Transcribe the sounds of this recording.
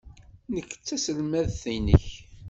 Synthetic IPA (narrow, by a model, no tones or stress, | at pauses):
nəkːə̥t͡sːæsəlmæðθinə̰ç